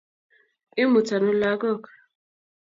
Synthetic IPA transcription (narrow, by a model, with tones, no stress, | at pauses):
ɪ˦mʊ˨ta˨nʊ˦la˦ɡɔ˦˨kḁ˨